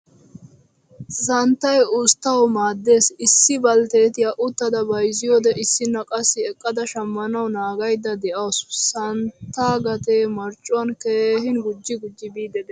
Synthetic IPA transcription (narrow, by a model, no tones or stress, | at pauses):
sɐnt̪ːɐjʊst̪ːɐwmaːd̪ːe̞ːsɪsːɪbɐlt̪eːt̪ɪjaʔʊt̪ːɐd̪ɐbɐjzɪjoːd̪ɛʔɪsːɪnːɐkʼɐsːɪɛkʼːɐd̪ɐʃɐmːɐnɐwnaːɡɐjd̪ːɐd̪ɛʔɐwssɐnt̪ːaːɡɐt̪emɐɾt͡ʃʼːʊɐnkeːɦɪnɡʊd͡ʒːɪɡʊd͡ʒːɪbiːd̪ɛd̪ɛ